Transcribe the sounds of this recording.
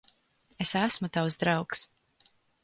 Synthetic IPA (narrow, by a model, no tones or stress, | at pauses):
esæsmut̪awzd̪ɾɑwks